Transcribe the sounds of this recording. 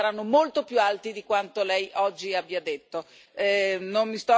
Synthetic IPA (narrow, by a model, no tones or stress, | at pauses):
aɾanːomolt̪opjualt̪id̪ikwant̪olɛjʔɔd͡ʒːiabːjiad̪et̪ːo | ɛnonmist̪ɔ